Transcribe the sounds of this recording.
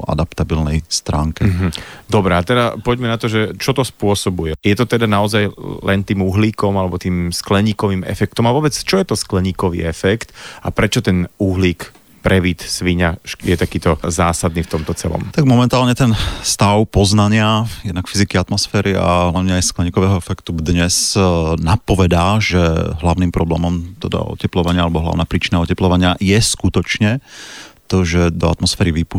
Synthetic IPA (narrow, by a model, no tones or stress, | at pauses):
a̰d̪apt̪abilnɛjst̪ɾaːŋkɛɦ̩d̪ɔbɾɛat̪ɛd̪apɔɟmɛnat̪ɔʒɛt͡ʃɔt̪ɔspʊɔsɔbujɛjɛt̪ɔt̪ɛd̪anaɔzajlɛnt̪iːmuɦliːkɔmalɛbɔt̪iːmsklɛɲiːkɔʋiːmɛ̰fɛk̚t̪ɔmaʋɔbɛt͡st͡ʃɔjɛt̪ɔsklɛɲiːkɔʋḭːɛfɛkt̪apɾɛt͡ʃɔt̪ɛnuɦliːk | pɾɛʋiːt̪sʋiɲaʃjɛt̪akiːt̪ɔzaːsad̪niːft̪ɔmt̪ɔt͡sɛlɔ̰mt̪aɡ̚mɔmɛnt̪aːlɲɛt̪ɛnst̪aʊpɔznaɲɪajɛd̪nakfizikiat̪mɔsfɛːɾia̰lɛnɲɛajsklɛɲiːkɔʋɛːɦɔɛfɛkt̪ud̪ɲɛsnapɔʋɛd̪aːʒɛɦlaʊniːmpɾɔblɛ̰ːmɔmt̪ɛd̪a̰ɔ̰cɛplɔʋaɲɪaalɛbɔɦla̰ʊnaːpɾiːt͡ʃinaɔcɛplɔʋaɲɪajɛskut̪ɔt͡ʃɲɛt̪ɔʒɛd̪ɔa̰t̪mɔsfɛːɾiʋipu